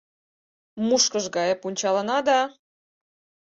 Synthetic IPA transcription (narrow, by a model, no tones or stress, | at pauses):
muʃkəʒɡɑjɤpunʲt͡ɕɑlə̆nɑd̪ɑ